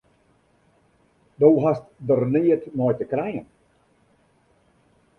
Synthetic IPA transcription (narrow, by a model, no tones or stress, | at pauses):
dowɦastdərniətnɔjtəkrɛjən